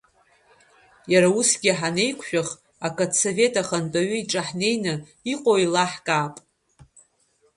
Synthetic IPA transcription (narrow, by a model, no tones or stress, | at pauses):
jaɾausɡʲɪħanejkʷʰʃᶣaχ | akʼadsove̞tʼaχantʼaɥʏiʈ͡ʂʼaħne̞jnɨ | iqʼoilaħkʼaːpʼ